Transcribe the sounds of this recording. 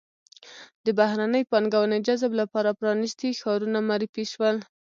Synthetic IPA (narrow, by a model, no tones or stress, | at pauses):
d̪əbahɾanəjpɑnɡawəned͡ʒazblapɑɾapɾɑnist̪ixɑɾunamaɾifiʃwəl